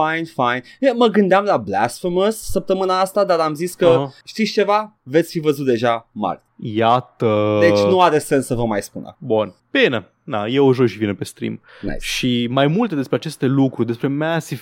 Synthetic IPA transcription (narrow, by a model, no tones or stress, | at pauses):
fajnfajn | əməɡɨnd̪eamlablæ̰sfəməsːəp̚t̪əmɨnaast̪ad̪aɾamziskəʃt̪ist͡ʃe̞vave̞t̪sʲfivəzut̪d̪e̞ʒama̰r | jat̪əd̪et͡ʃʲnuaɾe̞se̞nsːəvəmajspunə̰bunb̥ine | d̪a̰jewʒojʃivinepest̪ɾḭm | na̰jsʃimajmult̪ed̪espɾeat͡ʃe̞st̪e̞lukɾud̪espɾemasi